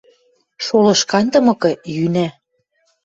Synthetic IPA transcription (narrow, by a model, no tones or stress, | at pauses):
ʃolɤ̆ʃkɑnt̪ɤ̆mɤ̆kɤ̆jynæ